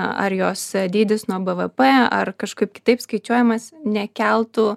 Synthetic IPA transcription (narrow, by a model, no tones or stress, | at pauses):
ɐ̰ɾjoːsd̪ʲiːd̪ʲɪsnuɔbɛʋəpeɐ̰rkɐʃkɐɪp̚kʲɪ̥t̪ɐɪpskɐɪt͡ʃʲuɔjɛmɐsnʲɛkʲɛlˠt̪u